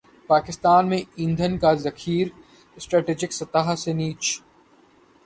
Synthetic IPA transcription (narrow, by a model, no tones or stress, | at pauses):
paːkɪst̪aːnmẽɪ̃nd̪ʱənkazɐkʰiːɾ | ɪsʈɾɛːʈeːd͡ʒɪksɐt̪aɦseniːt͡ʃ